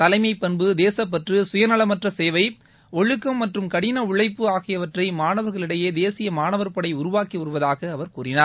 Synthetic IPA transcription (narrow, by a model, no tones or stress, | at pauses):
t̪ɐlɐɪmɐɪpːɐnbɯd̪eːsɐp̬ːɐʈrɯsʊjɐnɐɭɐmɐʈrɐseːʋɐɪ | ɔɻɯkːɐmːɐʈrɯmkɐɽɪnɐʊɭɐɪpːɯaːɣɪjɐʋɐʈrɐɪmaːnɐʋɐɾɣɐɭɪɽɐjeːd̪eːsɪjɐmaːnɐʋɐɾpɐɽɐɪʊɾʊʋaːkiʊɾɯʋɐðaːɣɐːʋɐɾkuːɾɪnaːɾ